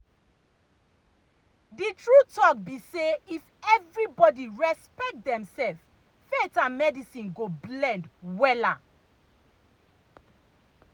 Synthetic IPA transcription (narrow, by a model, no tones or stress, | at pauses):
ditɹutɔk̚biseifɛvɹibɔdiɹɛspɛk̚t̚dɛ̃msɛlf | fɛtãmɛdisĩnɡoblɛ̃ndwɛla